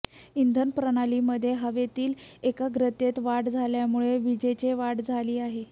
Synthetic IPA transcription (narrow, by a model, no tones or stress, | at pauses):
ind̪ʱənpɾəɽ̃aliːməd̪ʱːjeɦəʋet̪iːlekaɡɾət̪et̪ʋaʈd͡zʱaljamuɭeʋid͡ʑet͡ɕeʋaʈd͡zʱaliːaɦe